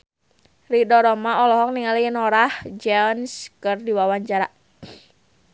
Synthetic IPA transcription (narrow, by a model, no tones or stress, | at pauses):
ridɔɾɔmaɔlɔɦɔk̚niŋaliənɔɾahd͡ʒɛnskərdiwawaɲd͡ʒaɾa